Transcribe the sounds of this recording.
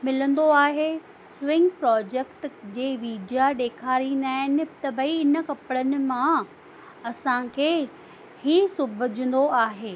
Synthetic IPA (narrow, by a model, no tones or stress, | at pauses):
mɪlə̃nd̪oaːɦe | swɪ̃ŋɡpɾɔːd͡ʑekʈd͡ʑeːʋiːɖijaɗeːkʰaːɾinaːɪnɪbt̪ɐbiɪnəkɐpɽənɪ̆mã | ɐsãkʰeː | hisʊbʱəd͡ʑə̃nd̪oaːɦeː